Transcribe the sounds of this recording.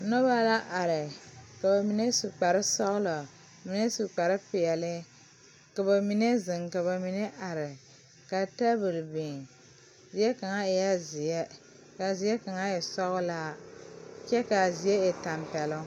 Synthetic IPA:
no˦ba˦la˦ʔa˨ɾɪ˨ka˨ba˨mi˨ne˦su˨k͡pa˨ɾɪ˦sɔ˦ɣʊ˦lɔ˨ | mi˨ne˦su˨k͡pa˨ɾɪ˦pɪ˨ɛ˨lɪ˦ | ka˨ba˨mi˨ne˦zɪ˨ŋka˨βa˨mi˨ne˦ʔa˨ɾɪ˨ | ka˨ta˦bɨ˨lbi˨ŋ | zi˨ɛ˦ka˨ŋa˦˨ja˦zɪ˨ɛ˦ | ka˨zi˨˦ɛ˦ka˨ŋa˦jɛ˨sɔ˦ɣʊ˦la˦ | t͡ʃɛ˦ka˨zi˨je˦ɛ˨ta˨mpɛ˨lʊ˦

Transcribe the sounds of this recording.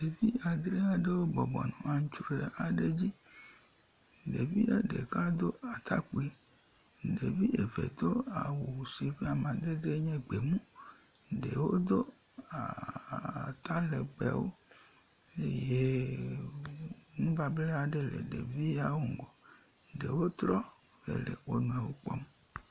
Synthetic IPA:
de˨vi˦a˨d̪ɾe˦a˦ɖe˦wo˦bɔ˨bɔ̰˨nɔ̰̃˨a˨ŋ̩˦t͡ʃu˦˨ɾe˨a˨ɖe˦d͡ʑi˦ | ɖe˨vi˦e˦ɖe˨ka˦d̪o˦a˨t̪a̰˦k͡pe˨ | ɖe˨vi˦ʔe˨vḛ˨d̪o˦a˨wu˨si˨vi˦a˨mã˨d̪e˦d̪e˦ɲɛ̃˦ɡ͡be˨mũ˦ | ɖe˨wo˦d̪o˦ | a̰˨ | t̪a˦le˨ɡ͡bɛ̰˨wo̰˦ | e˦je˦ | nũ˦ba˨ble˦a˨ɖe˨lḛ˨ɖḛ˨vi˦a˦wo˦ŋ̩˨ɡɔ˨ | ɖe˨wo˦t̪ɾɔ˦ | vḛ˨lḛ˨wo˨nũ˨ã˨wo˦k͡pɔ̰˦m

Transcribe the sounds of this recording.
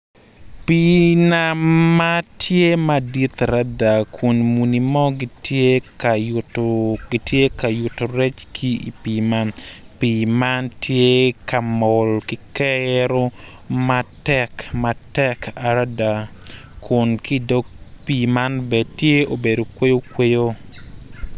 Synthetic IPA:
pinama˦tʰje˦ma˦di˦t̪aɾada˨kʰʊ˨nmu˨ni˨mɔ˦ɡɪ˦tje˦kajtoɡɪtje˦ka˨jʊ˨to˨ɾɛ˦t͡ʃkʰi˦ḭ˨pima˦npimantʰje˦ka˨mɔ˨lkɪ˦kɛɾo˦ | ma˦tɛ˦kmatɛ˦ka˨ɾa˦da˨kʰʊ˨nki˦do˦k̚pi˨ma˦nbɛ˨tje˦o˨be˨do˨kwe˦jo˦kwe˦jo˦

